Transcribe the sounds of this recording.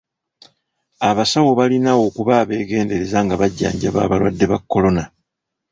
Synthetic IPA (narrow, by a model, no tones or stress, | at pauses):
aβasawo̞βalinawo̞kuβaːβe̞ːɡe̞ːnde̞ɾe̞zaŋɡaβaɟːa̰ːɲɟa̰βa̰ːβalwadːe̞βakːo̞lo̞na